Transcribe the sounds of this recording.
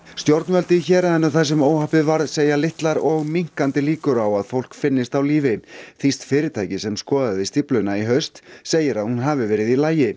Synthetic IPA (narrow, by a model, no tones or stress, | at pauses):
st̪jowɾt̪nvœlt̪ɪçɛːɾaðɛnːʏθas̬ɛmoːwhahpɪvaɾðseːjalɪht̪laɾɔɣmiŋ̥kant̪ɪliːkʏɾawaðfowl̥kfɪnːɪst̪awliːvɪθist̪fɪːɾɪt̪ʰajcɪsɛmskɔːðaðvɪst̪iplʏnaiɦœɥst̪seːjɪɾaðhunɦavɪvɛːɾɪðilaːjɪ